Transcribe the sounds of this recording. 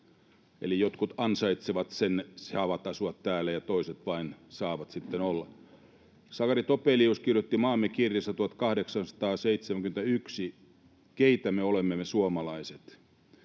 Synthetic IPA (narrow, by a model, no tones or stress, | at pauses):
ḛlijot̪kut̪ɑnsɑit̪seʋɑt̪sensɑʋɑt̪ɑsuɑt̪t̪æːlːæjɑt̪oiset̪ʋɑinsɑːʋɑt̪sit̪ːenolːɑ | sɑkɑrit̪opeliuskirjot̪ːimɑːmːekirjɑsɑt̪uhɑt̪kɑhdeksɑnsɑ̥t̪ɑːseit̪semæŋkyment̪æyksi | keit̪æmeolemːemesuomɑlɑiset̪